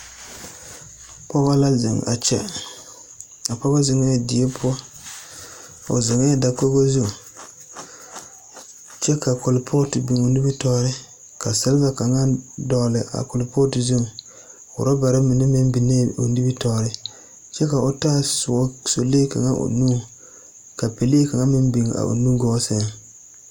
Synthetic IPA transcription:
pɔ˦ba˦la˦zɪ̰˨ŋ˨a̰˨t͡ʃɛ̰˦ | a˨pa˦ba˦zɪ˨ŋɛ˦˨dɪ˨e˦pʰʊ˦ɔ˦ | ʊ̰˨zɪ˨ŋɛ˦˨da˨ko˦ɣo˦zu˦˨ | t͡ʃɛ˦ka˨ko˨lɪ˨pʰo˦tɪ˨bi˨ŋo˨ni˦bi˦tɔ˦ɾɪ˦ | ka˨sɪ˦lɪ˦ɡa˨ka˨ŋa˦dɔ˨lɪ˨ʔa̰˨kʊ˨lɪ˨pʰo˦tɪ˨zu˦ŋ | ʊ̰˨ɾa˦ba˨ɾɪ˦mɪ˨nɪ˦mɪ˦nbi˨ne˦˨o̰˨ni˦bi˦tɔː˦ɾɪ˦ | t͡ʃɛ˦ka˨ʊ˨taː˦sʊ˨˦so˨leː˦ka̰˨ŋa̰˦ʔʊ̰˨nuː˦ | ka˨pe˨le˦ka˨ŋa˦mɪ˦nbi˨ŋ˨a̰˨ʔo̰˨nu˦ɡɔ˦sɛ˦ŋ

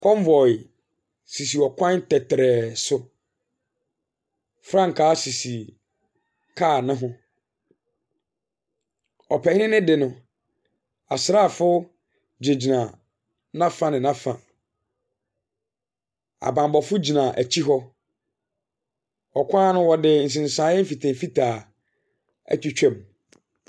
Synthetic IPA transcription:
kʰɔ̃˦ɱ˦vɔ˨ɪ˨ | si˨s̬i˨ɔ˨kʷʰã˦ntɛ˨tʰɾɛ˨sʊ˦ | fɾã˦ŋ̩˨kʰaː˨˦si˨si˨ | kʰaː˦˨nʊ̃˦ɦʊ̃˦ | ɔ˨pʰɛ˨hɪ̃˦nɪ̃˦dɪ˨nʊ̃˨ | a˨sɾa˦˨fʊ˦ | d͡ʑe˨d͡ʑi˨nã˨ | nã˦fã˦nɪ̃˨nã˦fã̰˨ | a̰˨bã˨mbɔ˨fʊ˦d͡ʑi˨nã˨ʔæ˨t͡ɕʰi˦ɦɔ˦ | ɔ˨kʷʰa˦nʊ̃˦wɔ˨dɪ˨n̩˨s̬ɪ̃˨n˨sãː˨˦jɪ˦m̩˦fi˨tʰɛ̃˨m˨fi˦tʰaː˨ | æ̰˦t͡ɕʰᶣi˦t͡ɕᶣɛ̃˦˨m

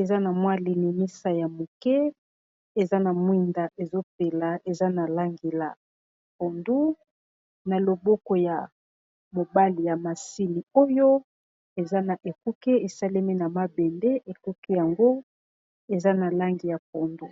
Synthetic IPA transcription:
e˨za˦na˨mwa˦li˨ni˨ni˦sa˦ja˨mo˨kɛ˦ | e˨za˦na˨mwi˦nda˨ʔe˨zo˦p̚e˨la˨e˨za˦na˨la˦ŋɡe˨la˨ | po˨ndu˦ | na˨lo˨bɔ˦kɔ˨ja˨ | mo˨ba˦li˨ja˨ma˨si˦ni˨o˦jo˦ | e˨za˦na˨ʔe˨ku˦ke˦e˨sa˦le˦mi˦na˨ma˦be˨ndɛ˦ʔe˨ku˦ki˦ja˨ŋɡo˦ | e˨za˦na˨la˦ŋɡi˨ja˨p̚o˨ndu˦

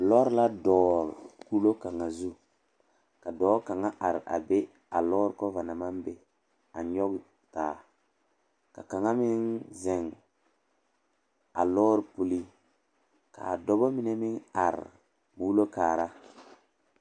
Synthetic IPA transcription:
lɔ˦ɾla˦dɔː˨˦ɾku˦lo˦ka˨ŋa˨zu˦ | ka˨dɔː˦ɾka˨ŋa˦ʔa˨ɾʔa̰˨be˦ | a˨lɔː˦ɾkɔ˦va˨na˨ma˦mbe˦ | a˨ɲɔ˦ɡ | taː˨ | ka̰˨ka˨ŋa˦mɪ˦nzɛ˨ŋ | a̰˨lɔː˦ɾpu˨li˦ | ka̰˨dɔ˦bɔ˦mi˨ne˦mɪ˦ŋa˨ɾɪ̰˨ | muː˦lo˦kaː˨ɾa˦

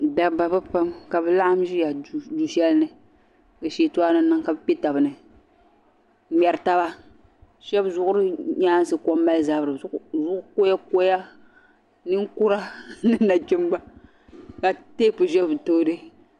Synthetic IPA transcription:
da˨ba˨bɨ˦pa˦mka˨bɨ˨la˦ʔa˦mʒi˦ja˨du˨ʃɛ˦lnɨ˨ | ka˨ʃe˨tu˦a˦nɨ˦nɨ˦ŋka˨bpe˦ta˨bɨ˨nɨ˨˦ | mɛ˨ɾɨ˨ta˦ba˦ | ʃɛ˦bzʊ˦ʔʊ˦ɾɨ˦ɲaː˦n˦sɨ˨kɔ˦mː˦a˦lza˨bɾɨ˨˦zʊ˦ʔʊ˦ko˦ja˦ko˦ja˦ | nɨ˦ŋ˦ku˦ɾa˦nɨ˦na˨kʲi˦m˦ba˦ | ka˨teː˦pu˨ʒɛ˦bɨ˨toː˦dɨ˦

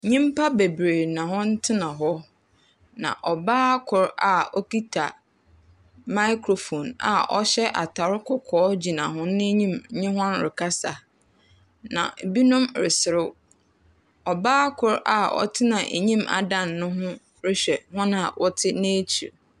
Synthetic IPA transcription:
ɲĩ˦mpa˦be˨bɾe˨nã˨ɦʊ̃˦n̩˦tʰɪ˦nã˨ɦɔ˦ | nã̰˨ʔɔ˨baː˦kʰʊ˨ɾa˨ɔ˦ki˦tʰa˨ | ma˦ɪ˦kʰɾo˨fõ˨na̰˨ʔɔ˦ɕɛ˦ʔa˨tʰa˨ɾkʰʊ˨kʰɔː˦d͡ʑi˨nã˨ɦʊ̃˦nːɪ̃˦ɲĩ˦mɲɪ̃˦ɦʷwã˦nɾɪ˨kʰa˦sa˨ | nã̰˨bi˦nʊ̃˦mɾɪ̰˨sɪ˨ɾʊ˦ | ɔ˨baː˦kʰʊ˨ɾa˨ɔ̰˦tʰɪ˦nã˨ʔḛ˨ɲĩ˦ma̰˨dã˨nːʊ̃˦ɦʊ̃˦ | ɾɪ˦ɕᶣɛ˨hʊ̃˦n˦a˨wʔɔ˦tʰɪ˦nẽ˦t͡ɕʰi˨

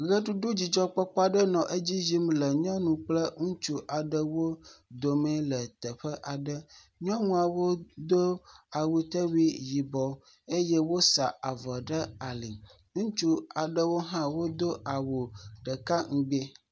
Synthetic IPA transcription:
ɣə˦ɖu˦ɖu˦d͡ʑi˨d͡ʒɔ˦k͡pɔ˦k͡pɔ˦a˦ɖə˦nɔ̃˨ʔe˦d͡ʑi˦d͡ʒi˦mlə˨ɲɔ̃˦nũ˦k͡plə˦ŋũ˦t͡ʃu˦ʔa˨ɖə˦wo˦d̪o˨mɛ̃˦lə˨t̪ə˨ɸə˦ʔa˨ɖə˦ | ɲɔ̃˦ŋũ˦a˨wo˦d̪o˦a˨wu˨t̪ə˦wi˦ji˨bɔ˨ | e˦jɛ˦wo˦sa˨a˨və˨ɖə˦a˨li˨ | ŋũ˦t͡ʃu˦a˨ɖə˦wo˦ɦã˦wo˦d̪o˦a˨wo˨ɖə˨ka˦ŋ̩˦ɡ͡be˦

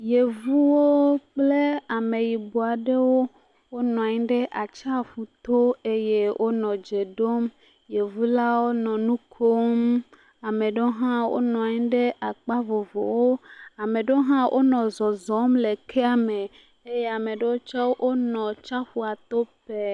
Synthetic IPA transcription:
je˨vu˦wo˦k͡ple˦a˨mẽ˨ji˨bo˨a˨ɖe˦wo˦ | wo˦nɔ̃˨a˨ɲ˦ɖɛ˦ʔa˨t͡ʃa˦ɸu˨t̪o˦e˦je˦wʔo˦nɔ̃˨d͡ʒe˨ɖo˦m | je˨vu˦la˦wo˦nɔ̃˨nũ˦kʰo˦m | a˨mẽ˨ɖo˦ɦã˦wo̰˦nɔ̃˨a˨ɲ˦ɖe˦ʔa˨k͡pa˦vo˨vo̰˨wo˦a˨mẽ˨ɖo˦ɦã˦wʔo˦nɔ̃˨zɔ˨zɔ˨˦mle˨kʰɛ˦a˦˨me˨ | e˦je˦a˨me˨ɖe˦wo˦t͡ʃa˦wo˦wʔo˦nɔ̃˨t͡ʃa˦ɸu˦a˨t̪o˦pe˦

